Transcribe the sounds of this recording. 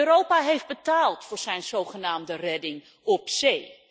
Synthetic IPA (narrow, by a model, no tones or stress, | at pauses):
øɾowpaɦejfd̚bətaːlˠtfʊːɹz̥ɛjnzowχənaːmdərɛdɪŋ | ɔpsej